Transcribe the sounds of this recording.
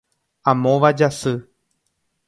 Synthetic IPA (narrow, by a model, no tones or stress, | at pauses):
ãmõʋad͡ʒasɨ